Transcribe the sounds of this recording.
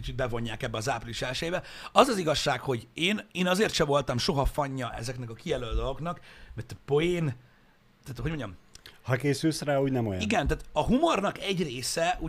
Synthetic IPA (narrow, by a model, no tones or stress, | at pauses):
it͡ʃit̪̚bɛvo̞ɲːaːkɛbːɛɒzaːpriliʃɛlʃɛjeːbɛɒzɒziɡɒʃːaːkho̞ɟeːneːnɒzeːrt̪ʃɛvo̞lt̪ɒmʃo̞ɦɒfɒɲːɒʔɛ̰zɛknɛkɒkijɛløːld̪olo̞ɡnɒkmɛt̪po̞jeːn | t̪aːt̪hoɟmo̞ɲɒmhɒkeːsylsraːuːɟnɛmojiɡɛnt̪aːt̪ɒɦumornɒkɛɟreːsɛuː